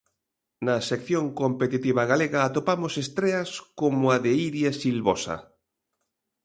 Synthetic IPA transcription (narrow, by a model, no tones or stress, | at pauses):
nɐsekθjõŋkompet̪it̪iβ̞aɣaleɣaːt̪opamosest̪ɾeaskomoaðeiɾjesilβosa̰